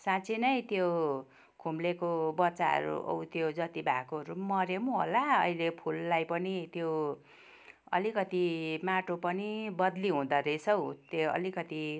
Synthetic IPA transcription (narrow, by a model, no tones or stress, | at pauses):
sãt͡sʰinʌjt̪jo | kʰumlekobʌtːt͡sːaɦʌ̰ɾṵʔʌ̰wt̪jod͡zʌt̪ibʱa̰koʌɾumʌɾemuɦo̰laʌilepʰulːajpʌnit̪jo | ʌ̰likʌt̪imaʈopʌnibʌd̪liɦũd̪ʌɾesʰʌwt̪eʌ̰likʌt̪i